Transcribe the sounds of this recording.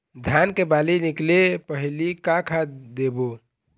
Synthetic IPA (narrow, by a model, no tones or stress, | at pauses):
d̪ʱjankebaliniklepəɦlikakʰad̪ebo